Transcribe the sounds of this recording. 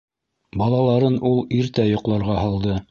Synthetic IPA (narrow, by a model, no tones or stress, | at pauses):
bɑlˠɑlˠɑɾɤnʔulˠiɾt̪æjŏqlˠɑɾʁɑhɑlˠd̪ɤ